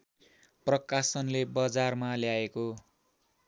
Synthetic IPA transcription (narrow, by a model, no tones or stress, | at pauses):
prʌkasʌnlebʌd͡zarmaljaeko